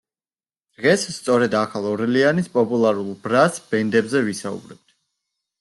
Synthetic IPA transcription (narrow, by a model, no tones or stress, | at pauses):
d̪̥ʁɛsst̪sʼɔɾɛd̪akʰalˠɔɾlianispʼɔpʼulˠaɾulˠbɾasb̥ɛnd̪ɛbzɛvisaṵbɾɛb̥̚t̪̚ʰ